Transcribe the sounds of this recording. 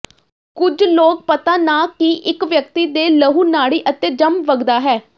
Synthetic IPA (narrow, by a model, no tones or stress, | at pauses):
kʊd͡ʒloːk̚pət̪aːnaːkiʔɪkʋjək̚t̪iːd̪eːləɦuːnaːɽiːʔət̪eːd͡ʒəmʋəɡd̪aːɦɛː